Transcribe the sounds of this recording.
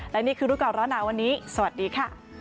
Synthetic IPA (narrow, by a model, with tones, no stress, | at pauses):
lɛ˦˥niː˥˩kʰɯː˧ɾuː˦˥klaː˨˩wɾɔː˦˥nːaː˩˦wa˧nːiː˦˥sɐ˧wa˨˩t̪̚diː˧kʰa˥˩